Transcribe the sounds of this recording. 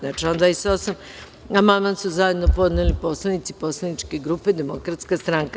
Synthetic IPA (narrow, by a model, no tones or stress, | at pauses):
nat͡ʃio̞nd̪aisosam | amamasuzaje̞d̪no̞po̞d̪nelipo̞slanit̪sipo̞slˠanit͡ʃke̞ɡɾupe̞d̪e̞mokɾat̪skast̪ɾaŋka